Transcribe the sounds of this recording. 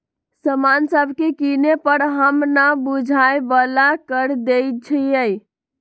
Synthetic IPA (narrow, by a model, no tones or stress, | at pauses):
səmansəbʱkekinepəɾɦəmnabud͡ʒʱajbəlakəɾd̪ejt͡ʃʰijəj